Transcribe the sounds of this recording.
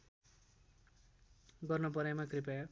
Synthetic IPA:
ɡʌrnʌp̬ʌɾamakripaj

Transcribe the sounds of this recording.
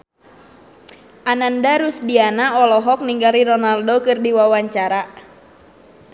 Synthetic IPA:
ʔanandaɾusdianaɔlɔɦɔk̚niŋɡaɾiɾɔnaldokɨrdiwawaɲt͡ʃaɾa

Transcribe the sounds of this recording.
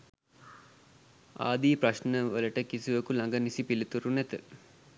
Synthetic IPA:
a̰ːd̪iːprɐʃnəʋələʈəkisiʋəkulaŋɡənisipilit̪uɾunɛt̪ə

